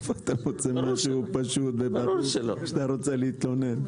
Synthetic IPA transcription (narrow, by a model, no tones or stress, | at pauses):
foat̪amot͡semaʃupaʃut̪̚bebaɾuuloʃat̪aɾot͡seleit̪lonen